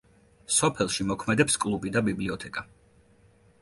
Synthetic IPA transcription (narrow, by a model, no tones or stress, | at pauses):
sɔpʰɛlˠʃimɔkʰmɛd̪ɛpskʼlˠubid̪abibliɔt̪ʰɛkʼa